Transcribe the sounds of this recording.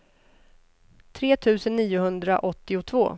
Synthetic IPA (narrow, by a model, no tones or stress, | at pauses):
t̪ʰɾeːt̪ʰʉ̟ːsənːiːʊɦɵnd̪ɾa̰ʔɔt̪ːɪʊt̪ʰvo̰ː